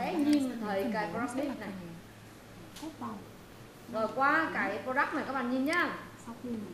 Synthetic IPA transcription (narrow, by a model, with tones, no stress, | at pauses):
ɛ˨˦ɲi˧n˨t̪ʰəː˨˩jkaː˨˦jpo˧ɾa˦˥li˦˥na˨˩j | zo˨˩jkwaː˧kaː˨˦jpo˧za˦˥k̚maː˨˩kaː˨˦˥ɓaː˧˨˩ɲi˨˩nɲaː˧˦˧